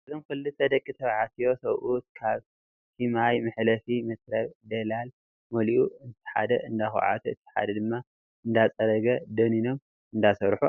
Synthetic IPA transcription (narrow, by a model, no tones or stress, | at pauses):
ɨzomkʰɨlːɨt̪ʰːɐd̪ɐkʼːit̪ʰɐβʕat̪ʰijo̞sɐβʔut̪̚kʰaβ | sʰimajmɨħlɐfimɐsɾɐβd̪ɐlal | mɐliʔuɨnt̪ʰɐ̥ħa̰d̪ɐʔɨnd̪axo̰ʕa̰t̪ʰuɨt̪ʰːi̥ħa̰d̪ɐd̪ɨmːa | ʔɨnd̪at͡sʼɐɾɐɡɐd̪ɐnino̞m | ɨnd̪asɐɾħu